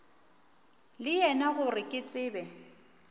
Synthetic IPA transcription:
lɪjɛnaɣʊrɪkʼɪt͡sʼɪːbɛ

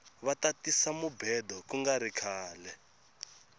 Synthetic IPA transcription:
βatatisamubɛdɔkuŋɡaɾikʰaːlɛ

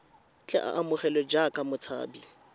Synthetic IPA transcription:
t͡ɬʼɛʔa̰ʔamʊχɛlɔd͡ʒakʼamʊt͡sʰa̰ːbi

